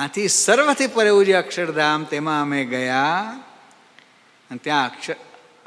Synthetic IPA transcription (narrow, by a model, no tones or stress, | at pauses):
ãt̪ʰisəɾʋət̪ʰipəɾeud͡ʒeəkʂəɾd̪ʱaːmt̪emãəmẽɡɐja | ənt̪jãəkʂə